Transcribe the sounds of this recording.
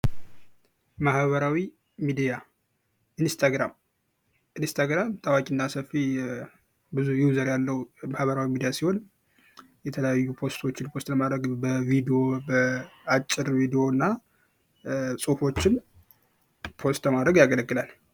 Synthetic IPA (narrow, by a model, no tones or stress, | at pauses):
mahβəɾawi | mid̪ija | ʔɨnst̪ʰaɡɾam | ʔɨnst̪ʰaɡɾamt̪ʰʼawakʼinːasəfːi | bɨzujuzəɾjalːəwumahβəɾawimid̪ijasiho̞n | jɛt̪ʰələjajːupʰo̞st̪ʰo̞t͡ʃːɪnpʰost̪ləmad̪ɾəɡbəvid̪io̞bəat͡ʃʼːɪɾvid̪ijo̞nːa | sʼufo̞t͡ʃːɪn | pʰo̞st̪bəmad̪ɾəɡjaɡələɡːɨlal